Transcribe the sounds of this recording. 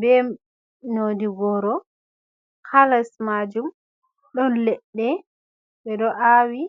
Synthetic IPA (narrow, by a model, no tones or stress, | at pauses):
bɛ | nodiɡɔɾɔ | kʰalasmad͡ʒum | ɗɔnlɛɗːɛ | ɓɛɗɔʔawi